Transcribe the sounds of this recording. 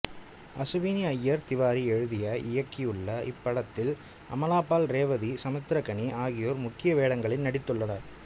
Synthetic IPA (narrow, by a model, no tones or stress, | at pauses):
ʔɐsɯʋiːniɐjːɐɾt̪ɪʋaːɾiɛɻɯðɪjɐɪjɐkːɪjɯɭːɐɪ̰pːɐɽɐt̪ːɪl | ʔɐ̰mɐlaːpːaːlɾeːʋɐðisɐmɐt̪ːɾɐkɐɳiʔaːɣɪjoːɾmʊkːɪjɐʋeːɽɐŋɡɐɭɪnnɐɽɪt̪ːɯɭːɐnɐɾ